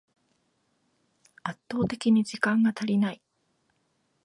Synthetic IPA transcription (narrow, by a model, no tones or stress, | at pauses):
at̪ːo̞ːt̪e̞kʲiɲ̟id͡ʑikãŋɡat̪aɾʲinai